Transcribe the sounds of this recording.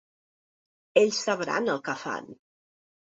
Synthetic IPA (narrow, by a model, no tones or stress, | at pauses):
eʎʲsːəβɾa̰nəlˠkəfa̰n